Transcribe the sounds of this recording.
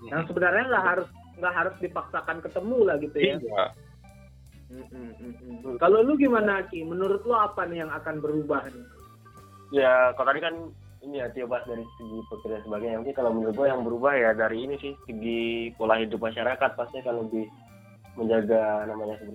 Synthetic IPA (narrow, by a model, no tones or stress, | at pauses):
daŋsəbənarɲaŋɡaʔɦaɾʊs | ŋɡaʔɦaɾʊsdipaksakankət̪əmulahɡit̪ujaa | m̩ | kaloluɡimanakimənuɾʊt̪̚loapanijaŋakanbəɾubahni | jakalt̪adikan | inijat̪iabasdaɾisəɡipəkərɲasəbaɡaɲaukɪkalawmənuɾʊt̪̚ajaŋbəɾubahjadaɾiːnisɪhsəɡipolahidʊp̚maʃaɾakat̪̚past̪iakanləbɪh | məɲd͡ʒaɡanamaɲasəbə